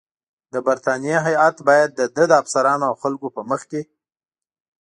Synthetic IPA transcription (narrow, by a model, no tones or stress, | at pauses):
d̪əbaɾt̪ɑnijeɦajat̪bɑjad̪̚ːəd̪əd̪əafsaɾɑnoawxalkopəməxke